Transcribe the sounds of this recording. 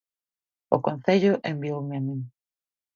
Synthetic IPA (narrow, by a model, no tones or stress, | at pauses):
o̰kõn̟θeʎoʔembiowmeamĩŋ